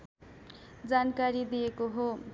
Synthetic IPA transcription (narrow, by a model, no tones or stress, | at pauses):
d͡zankaɾid̪ijekoɦo